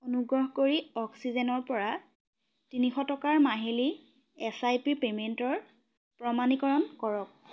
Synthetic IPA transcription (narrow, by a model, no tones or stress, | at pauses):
onuɡɹɔɦkoɹiɔksizɛnɔɹpɔɹa | tinixɔtɔkaɹmaɦili | ɛsajpipementɔɹ | pɹɔmanikɔɹɔnkɔɹɔk̚